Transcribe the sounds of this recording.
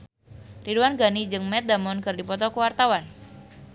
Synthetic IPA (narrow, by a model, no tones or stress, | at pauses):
riduwanɡanid͡ʒɨŋmɛt̪̚d̪amɔnkɨrdipɔt̪ɔkəwart̪awan